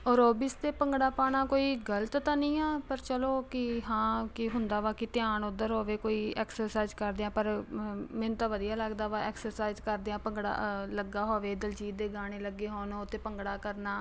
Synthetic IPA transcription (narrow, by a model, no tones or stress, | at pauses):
ɔːɾoːbist̪eːpəŋɡɽaːpaːɳ̃aːkoːiːɡələt̪t̪ãːnĩːaːpəɾt͡ʃəloːkɪɦãːkɪɦʊnd̪aːʋaːkɪt̪ɪjaːɳʊd̪əɾɦoːʋeːkoːiːɛːksəɾsaːzkəɾd̪eːãːpəɾmɛ̃ːnt̪ãːʋəd̪ijaːləɡd̪aːʋaːɛːksəɾsaːɪzkəɾd̪eãːpəŋɡɽa̰ːləɡaːɦoːʋeːd̪əld͡ʒiːd̪eːɡaːɽ̃eːləɡːeːɦoːnoːt̪eːpəŋɡɽaːkəɾnaː